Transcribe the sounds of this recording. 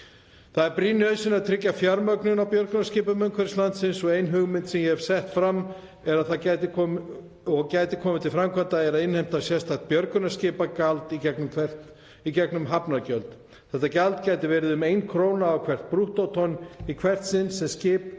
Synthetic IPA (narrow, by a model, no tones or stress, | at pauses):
θaðɛɾpɾiːnʏœðsɪnaðt̪ʰɾɪcːafjaɾmœknʏnawpjœɾkʏnascɪːpʏmʏŋkʰvɛɾ̥slant̪sɪnsɔɣejnɦʏɣmɪnt̪sɛmjɛhɛv̥sɛht̪fɾamː | ɛɾaðθacaːjt̪ɪkʰɔ | ɔɣcaːjt̪ɪkʰɔːmɪt̪ʰɪlfɾamkʰant̪aɛɾaðɪnhejm̥t̪asjɛst̪ʰat̪̚pjœɾkʏnascɪːpakalt̪icɛknʏmkʰvɛr̥t̪ | icɛknʏmɦapnaɾcœlt̪ | θɛht̪ːacalt̪caːjt̪ɪvɛːɾɪðʏmejnkʰɾoːwnaːwkʰvɛr̥t̪̚pɾuht̪owt̪ʰɔnikʰvɛr̥t̪sɪnsːɛmscɪːp